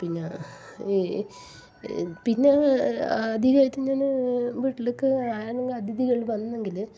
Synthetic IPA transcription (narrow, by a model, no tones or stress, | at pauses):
pinːe | pinːe | ɐd̪ʱiðaːjitːɨɲaːnɨʋiːʈːilokːɨaːɾɐɳɐŋɡɐd̪ʱiðiɣɐɭʋɐnːɐe̞ŋɡil